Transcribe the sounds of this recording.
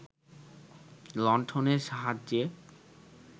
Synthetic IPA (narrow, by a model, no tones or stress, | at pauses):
lɔɳʈʰoneɾʃaɦad͡ʑːe